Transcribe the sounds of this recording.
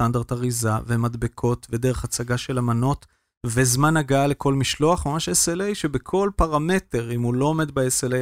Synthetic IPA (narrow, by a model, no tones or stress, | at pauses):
tand̪aʁt̪aʁizavemad̪bekʰo̞tve̞deʁeχat͡saɡaʃe̞lamano̞t | vezmanaɡaale̞kʰo̞lmiʃlo̞aχmamaʃeselejʃebekʰo̞lpaʁame̞te̞ʁimuloːme̞d̪baesele